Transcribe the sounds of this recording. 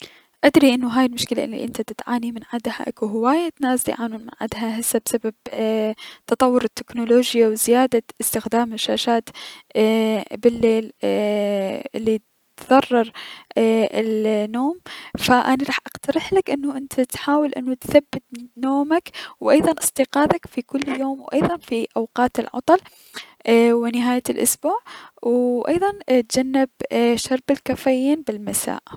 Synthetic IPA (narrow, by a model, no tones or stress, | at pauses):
ʔad̪ɾiʔɪnːuɦaːjɪlmʊʃkɪla̰ʔɪlːḭʔɪnt̪at̪ɪt̪ʕaːnimɪnʕad̪ha̰ʔa̰kuɦɪwaːjat̪naːsd̪ḭʕaːnuːnmɪnʕa̰d̪ɦaɦasabsabab | t̪ɑt̪ˤɑwːʊɾɪt̪ːɪknʊloːd͡ʒjawzɪjaːd̪aʔɪst̪ɪxd̪aːmɪʃːaːʃaːt̪ | bɪlːeːl | ɪlːit | t̪ðɑrˤːɑɾˤ | ɪlnoːmfaʔaniɾˤɑːħʔɑqt̪ɑɾˤɪħlakʔɪnːuʔɪnt̪ʰat̪ħaːwɪlʔɪ̰nːut̪θabːɪt̪noːmakwʔɑjðˤɑnʔɨst̪iqɑːðakfikʊlːjoːmwʔɑjðˤɑnfiʔawqɑːt̪ɪlʕɑ̰t̪ˤɑl | wɪnɪɦaːjalʔʊ̰sbuːʕwʔɑ̰jðˤɑnt̪̚d͡ʒanːɪbʃɑɾˤbɪlkafaːjiːnbɪlmasa̰ːʔ